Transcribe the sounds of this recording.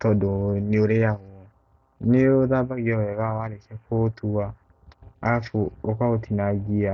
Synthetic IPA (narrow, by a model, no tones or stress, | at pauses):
tɔdoneoɾejaɣo | neoðabaɣiɔwɛɣawaɾekɛkotua | afuokaotinaɡia